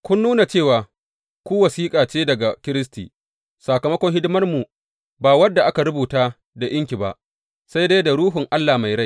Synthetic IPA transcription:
kʷʊ˦nːuː˦na˨t͡ʃeː˦˨waː˨ | kʷuː˦wɐ˨siː˦kʼaː˨t͡ʃeː˦dɐ˨ɡa˨kʲɪ˦ɾɪ˦stiː˨ | saː˨kɐ˨mɐ˦kʷɔ˦ŋɦɪ˦dɪ˦mɐ˦rmu˨ | baː˨wɐ˦dːa˨ʔa˦ka˨ɽʊ˦buː˨taː˦ | da˨ʔɪ˦ŋkʲi˨ba˨ʔ | sa˦jda˦jda˨ɽuː˦ɦʊ˨ŋʔa˦lːaː˨ma˨jɽa˦j

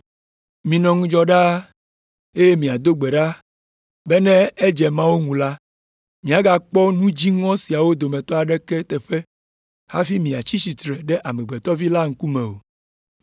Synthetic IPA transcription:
mĩ˨nɔ̃˨ŋũ˦d͡ʒɔ˦ɖa˦ | e˦je˦mĩ˨a˨d̪o˦ɡ͡bɛ˨ɖa˦ | bɛ˦nɛ̃˦ɛ˦d͡ʒɛ˨mã˦wo˦ŋũ˨la˦ | mĩ˨a˨ɡa˨k͡pɔ˦nũ˦d͡ʑi˦ŋɔ̃˦si˨a˨wo˦d̪o˨mɛ̃˨t̪ɔ˦a˨ɖɛ˦kɛ˦t̪ɛ˨ɸɛ˦ | ha˦fi˦mĩ˨a˨t͡ɕi˦si˨t̪ɾɛ˨ɖɛ˦ʔa˨mɛ̃˨ɡ͡bɛ˨t̪ɔ˦vi˦la˦ŋ̩˦ku˦mɛ̃˨wo̰˨

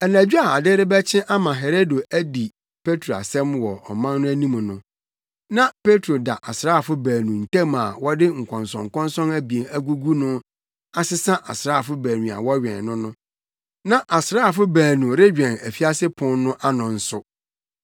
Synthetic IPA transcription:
ɛ˨næ̃˨d͡ʑᶣu˦a˨a˨dɪ˦ɾɪ˦bɛ˦t͡ɕʰɪ̃˦ʔa˦mã˨ɦe˨ɾo˦do˨ʔæ˦di˨ | pʰe˦tʰɾo˨a̰˨sɛ̃˦mwɔ˨ɔ̰˨mã˦n˦nʊ̃˦æ˦nĩ˦m̃˨nʊ̃˨ | nã˦pe˦tʰɾo˨da̰˨ʔa˨sɾaː˦˨fʊ˦bæː˨nũ˨n̩˨tæ̃˦ma˨wɔ˦dɪ˦ŋ̩˨kʷʰɔ̃˨nsɔ̃˨ŋ̩˨kʰɔ̃˦nsɔ̃˦næ˦bi˨e˨næ˦ɡu˦ɡu˦nʊ̃˦ | a˦sɪ˦sã˦ʔa̰˨sɾa˦a˨fʊ˦bæː˨nũ˨a̰˨wɔ˦ɥᶣɛ̰̃˨nːʊ̃˦nʊ̃˦ | nã˦ʔa˨sɾaː˦a˨fʊ˦bæː˨nũ˨ɾɪ˦d͡ʑᶣɛ̃˨næ˨fi˦a˦sɪ˦pʰʊ̃˦nnːʊ̃˦ʔa˦nɔ̃˨n̩˦sʊ˨

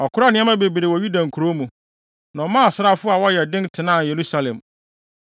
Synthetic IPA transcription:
ɔ˨kʰʊ˦ɾa˦nɪ̃˦ɛ̃˦mã˦be˨bi˨ɾe˨wɔ˨ɥu˦dã˨ŋ̩˨kʰu˨ɾo˦mũ˨ | nã˨ɔ˨mã˦ɔ˨sʊ˦ɾa˦fʊ˦a˨wɔ˦jɛ˨dɪ̃˦ntʰɪ˨nã˦˨je˨ɾu˦sa˨lɛ̃˨m

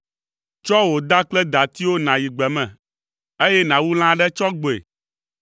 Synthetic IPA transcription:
t͡ʃɔ˦wo˨d̪a˦k͡plɛ˦d̪a˨t̪i˦wo˦nã˨ji˨ɡ͡bɛ˨mɛ̃˨ | e˦jɛ˦nã˨wu˦l̃ã˦ɖɛ˦t͡ʃɔ˦ɡ͡bo˨ḛ˨

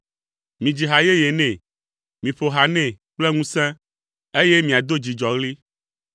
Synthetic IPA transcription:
mĩ˨d͡ʑi˨ɦa˨je˦je˨nɛ̃˨ | mĩ˨ɸo˨ɦa˨nɛ̃˦ | k͡ple˦ŋũ˦sɛ̃˦ | e˦je˦mĩ˨a˨d̪o˦d͡ʑi˨d͡ʒɔ˨ɣli˦

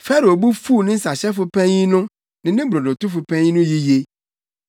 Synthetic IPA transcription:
fɛ˦ɾo˨bu˦fuː˦˨nɪ̃˦n̩˦sa˨ɕɛ˦fʊ˦pʰɛ̃˦ĩ˦nʊ̃˦ | nɪ̃˨nɪ̃˦bɾɔ˨nɔ̃˨tʊ˦fʊ˨pʰɛ̃˦ɲĩ˦nʊ̃˦ji˦je˦

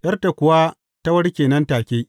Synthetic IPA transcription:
ʔjɐ˦rta˨kʷʊ˨˦waː˦ | ta˦wɐ˦ɽkʲeː˨nɐ˦ntaː˨kʲeː˦

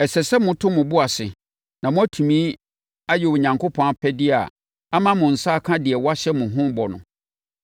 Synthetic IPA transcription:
ɛ˨sɛ˨sɛ˦mʊ̃˦tʰʊ̃˦mʊ̃˨bʊ˦a˨sɪ̰˨ | nã˨mʊ̃˦æ˦tʰu˨mĩː˦ | a˦jɛ˨wʊ˨ɲã˨ŋkʰo˦pʰɔ̃˦a˦pʰɛ˦dɪ˦a̰˨ | a˦mã˦mʊ̃˨n̩˨sa˦˨kʰã˦dɪ˨ɛ˨wɔ˦a˦ɕɛ˦mʊ̃˨ɦʊ̃˦bɔ˨nʊ̰̃˨

